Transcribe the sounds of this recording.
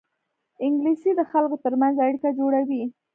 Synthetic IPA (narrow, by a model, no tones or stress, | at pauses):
ɪŋɡlisid̪əxalkot̪əɾmanzaɽikad͡ʒoɽawi